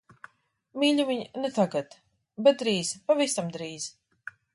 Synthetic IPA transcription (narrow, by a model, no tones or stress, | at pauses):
miːʎʲuvʲiɲnɛt̪aɡat̪ | bɛt̪̚d̪ɾiːz̥paviːst̪amd̪ɾiːz̥